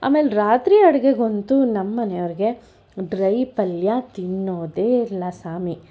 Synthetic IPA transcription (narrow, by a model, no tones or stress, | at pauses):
a̰ːmeːlɾaːt̪ɾiɐɽɐɡeɡo̞nt̪unɐmːɐnejʋɾiɡe̞ | ɖɾɐjpɐljat̪iɳːoːd̪eːilːɐsaːmi